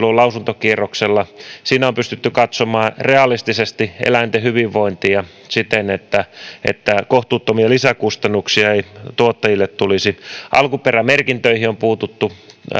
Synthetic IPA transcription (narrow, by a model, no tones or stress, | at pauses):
lːolɑusunt̪okierokselːɑsiːnæompyst̪yt̪ːykɑt̪somɑːreɑlist̪isest̪iʔḛlæint̪ehyʋiʋʋoint̪iɑ | sit̪enet̪ːæḛt̪ːækoht̪uːt̪ːomiɑlisækust̪ɑnːuksiɑeit̪uot̪ːɑjilːet̪tulisiʔɑ̰lkuperæmerkint̪øihiompuːt̪ut̪ːu